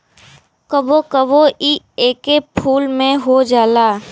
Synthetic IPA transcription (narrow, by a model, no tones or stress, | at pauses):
kəbokəboʔiː | eːkepʰuːlmẽɦod͡ʒaːlaː